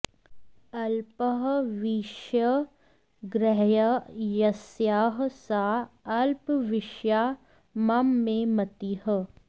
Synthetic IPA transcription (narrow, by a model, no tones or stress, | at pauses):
ɐlpəɦʋiʃjə | ɡɾɛɦjajɐsjaːɦsaːɐlpʋɪʃjaː | mɐmːẽmɐt̪iɦə